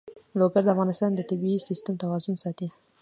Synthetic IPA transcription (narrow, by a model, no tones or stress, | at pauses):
loɡaɾd̪əafɣɑnɪst̪ɑnd̪ət̪ɪbiisɪst̪amt̪awɑzʊnsɑt̪i